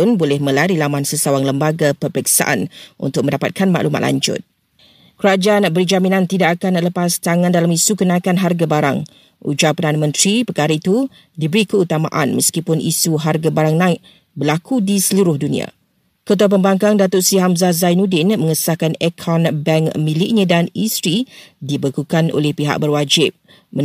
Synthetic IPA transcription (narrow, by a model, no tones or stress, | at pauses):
ʊnbolɛhmə̃laɾilamãnsəsawaŋləmbaɡapəpɾiksa̰ʔa̰nṵnt̪ʊk̚mə̃ndapa̰t̪̚kanma̰ʔluma̰t̪la̰ɲd͡ʒʊ̰t̪̚ | kəɾad͡ʒaanbərd͡ʒamĩnãnt̪idaʔakanləpast̪aŋandalamisukənãikanɦarɡabaɾa̰ŋ | ṵd͡ʒapərdanamə̃nt̪ɾipərkaɾait̪u | dibəɾikəut̪amã̰ʔa̰nməskipʊnḭsuɦarɡabaɾaŋnãɪk̚ | bəlakudisəluɾʊhdunḭa̰ | kət̪̬uap̬əmbaŋkaŋdat̪ʊʔ̪siɦamzazajnudɪnmə̃ŋəsakanekʰɔnbɛŋmĩlɪʔɲãdanist̪ɾidibəkukano̰lɛhpiɦa̰ʔ̚bərwad͡ʒɪp̚ | ə